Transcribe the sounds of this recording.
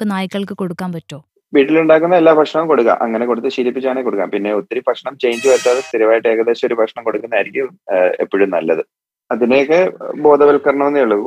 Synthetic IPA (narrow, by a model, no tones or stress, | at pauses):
kːenaːjikːɐɭkɨko̞ɽukːaːmpɐtːo̞ː | ʋiːʈːiluɳɖaːkːunːɐelːaːbʱɐkʂɳɐʋumko̞ɽukːa̰mʔɐ̰ŋːɐne̞koɽut̪ːɨɕiːlipːit͡ɕːaːɳeːko̞ɽukːa̰ːmpinːe̞ot̪ːɐɾipɐkʂɐɳɐmt͡ɕe̞jɲd͡ʑɨʋɐɾt̪ːaːðest̪iɾuʋaːjiʈːɨe̞ːɣɐðeːɕɐoɾubʱɐkʂɳɐmko̞ɽukːunːaːjiɾikʲːumepːiɻumnɐ̰lːɐ̰ðɨ | ɐðinejokːe̞bo̞ːd̪ɐʋɐlkɐrɳɐmenːijuɭːɐu